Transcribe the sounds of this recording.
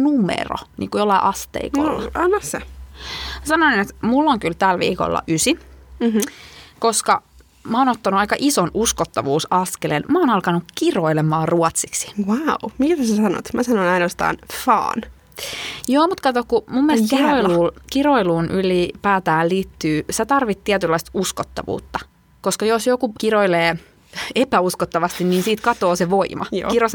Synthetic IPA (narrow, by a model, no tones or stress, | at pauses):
numḛro̰nḭːŋkujolːɑiʔɑst̪ḛiko̰lːɑɑnːɑe | msɑnoninet̪mulːoŋkylt̪ælʋḭːko̰lːɑ̰ʔysi | koskɑ | mæoːnot̪ːɑnuɑikɑʔisonuskot̪ːɑʋuːsɑskelenmæoːnɑlkɑnukkiroilemɑːruɔt̪siksi̥wawmikt̪æsæsɑno̰t̪mæsɑnonɑinoːst̪ɑ̰ːnfɑ̰ːn | joːmut̪kɑt̪okkumumːelest̪kiroiluːkiroiluːnʔylipæːt̪æːlliːt̪ːyːset̪ɑrʋit̪t̪ːiæt̪ylːɑist̪uskot̪ːɑ̰ʋṵːt̪ːɑ | koskɑjosjokukiroileː | epæuskot̪ːɑʋɑst̪inniːnsiːt̪kɑt̪oːseʋoimʔɑ̰kiros